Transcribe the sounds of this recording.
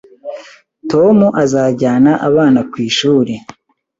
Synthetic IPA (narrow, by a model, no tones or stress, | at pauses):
to̞muʔazaːɟaːnaʔaβaːnakwiːʃuːɾe